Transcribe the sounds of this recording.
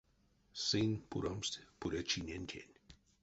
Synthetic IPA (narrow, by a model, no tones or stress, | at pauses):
sinpṵɾomst̪puɾɐt͡ʃʰinenkʰḛnʲ